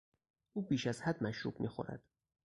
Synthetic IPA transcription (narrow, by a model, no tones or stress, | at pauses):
ʔuːbiːʃæzhæd̪mæʃɾṵːbmḭːxo̞̰ɾæ̰d̪̥